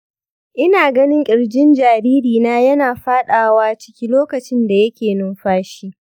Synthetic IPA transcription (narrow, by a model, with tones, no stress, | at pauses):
ʔɪ˦naː˨ɡɐ˦nɪ˦ŋkʲʼɪ˨ɽd͡ʒɪ˦nd͡ʒaː˨ɾiː˦ɾiː˨naː˦jɐ˦naː˨ɸaː˦ɗaː˨waː˦t͡ʃɪ̥˦kʲi˦loː˦kɐ˨t͡ʃɪ˦nda˨jɐ˦kʲeː˨nʊ˦nɸaː˦ʃiː˦